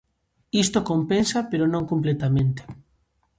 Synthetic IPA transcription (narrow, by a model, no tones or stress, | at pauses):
ist̪okompensapeɾonõŋkomplet̪amẽnt̪e̥